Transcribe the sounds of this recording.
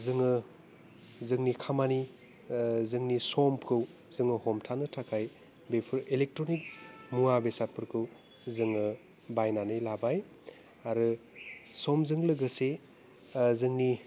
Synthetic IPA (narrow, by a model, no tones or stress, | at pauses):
zɯŋɯ | zɯŋnikʰamani | zɯŋnisɔmkʰɯw | zɯŋɯhɔmtʰanɯtʰakʰaj | bepʰɯɾelek̚tɾonik̚muabesat̚pʰɯɾkʰɯw | zɯŋɯ | bajnanɯjlabaj | aɾɯ | sɔmzɯŋlɯɡɯse | zɯŋni